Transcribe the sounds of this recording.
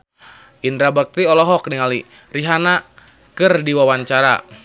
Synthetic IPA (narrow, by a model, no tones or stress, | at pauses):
ʔindɾabak̚t̪iɔlɔɦɔk̚niŋali | riɦana | kɨrdiwawaɲt͡ʃaɾa̰